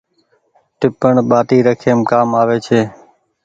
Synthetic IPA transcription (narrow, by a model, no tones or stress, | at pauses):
ʈɪpəɳɓaːt̪iːɾəkʰeːmkaːmaːʋeːt͡ʃʰeː